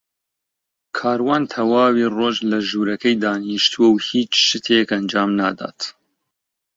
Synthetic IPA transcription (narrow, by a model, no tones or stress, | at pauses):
kʰaːɾwaːnt̪ʰɐwaːwiroːʒlɐʒuːɾɐkɐjd̪aːniʃt̪ʰuɐwhiːt͡ʃʃɨt̪ʰekɐnd͡ʒaːmnaːd̪a̰ːt̪